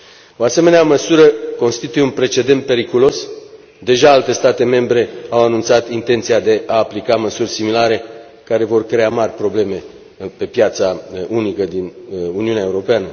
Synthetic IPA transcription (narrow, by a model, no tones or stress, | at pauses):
o̞ase̞me̞neaməsuɾəko̞nst̪it̪ujeunpɾe̞t͡ʃe̞d̪e̞nt̪̚pe̞ɾikulo̞s | d̪e̞ʒaalt̪e̞st̪at̪e̞me̞mbɾe̞awanunt̪sat̪int̪e̞nt̪sijad̪e̞ʔaːplikaməsurʲsimilaɾe̞ | kaɾe̞vo̞rkɾe̞amarʲpɾo̞ble̞me̞ | pe̞pjat̪saunikəd̪inuniuneaeuɾo̞peanə